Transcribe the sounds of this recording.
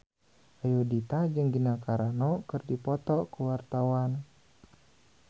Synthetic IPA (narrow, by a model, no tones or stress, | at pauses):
ajudit̪ad͡ʒɨŋɡinakaɾanɔkɨrdipɔt̪ɔkuwart̪awan